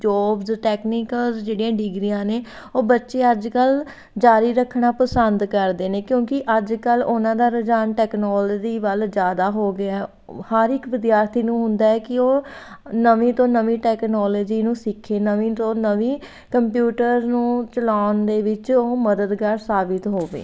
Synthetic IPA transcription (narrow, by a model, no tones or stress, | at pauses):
d͡ʒɔːbzʈɛːkniːkəlzd͡ʒeːɽijãːɖɪɡɾijãːneː | oːbətːʃeːəd͡ʒkəl | d͡ʒaːɾiːɾəkʰːɳaːpəsənd̪kəɾd̪eːneːkjõːkɪʔəd͡ʒkəlʊnãːd̪aːɾəd͡ʒaːnʈɛːknɔːləːd͡ʒiːʋəld͡ʒjaːd̪aːɦoːɡɪaɛ | həɾɪkʋɪd̪jaːɾt̪ʰiːnũːɦʊnd̪aːɛːkɪoː | nəʋĩːt̪õːnəʋĩːʈɛːknɔːloːd͡ʒiːnũːsɪkʰːeːnəʋĩːt̪õːnəʋĩː | kəmpjuːʈəɾznũːt͡ʃəlaːʊnd̪eːʋɪt͡ʃoːməd̪əd̪kaːɾsaːbɪt̪ɦoːʋḛː